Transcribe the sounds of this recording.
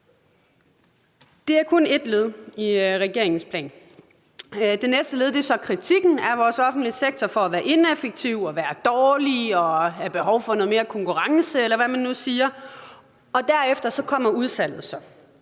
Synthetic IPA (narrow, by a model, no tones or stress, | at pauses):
d̥e̝æɐkʰɔ̽ne̝d̥le̝ð̞ˠiʁɛɡ̥e̝ɐ̰eŋn̩spʰlɛ̰ːn | d̥enesd̥əle̝ðˠd̥e̝sɒ̽kʰʁit͡sʰiɡ̥n̩æɐʋɒːsɒ̽fn̩d̥liseɡ̥̚t͡sʰɒfɒ̽æʋæːɐʔe̝nefeɡ̥̚t͡sʰiʊɒ̽ʋæːɐd̥ɒːliɒ̽æɐb̥e̝ɦɒʊfɒnoð̩ˠme̝ːɐkʰɒ̽ŋkʰuʁɑ̈ŋsəelɐʋæmænːusiːɐ | ɒ̽d̥æɐefd̥ɐsɒ̽kʰɒ̽m̰ɐuð̞ˠsæl̰ð̩ˠsɒ̽